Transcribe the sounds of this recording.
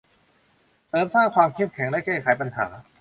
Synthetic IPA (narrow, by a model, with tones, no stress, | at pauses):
sɤː˨˦msaː˥˩ŋkʰwaː˧mkʰe˥˩˨mkʰɛ˩˦ŋdaː˦˥˩kɛː˥˩kʰaː˩˦jpa˧nha̰ː˩˦